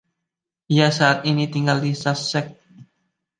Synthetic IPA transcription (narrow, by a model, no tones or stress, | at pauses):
ijasaat̪init̪iŋɡaldisasɛk̚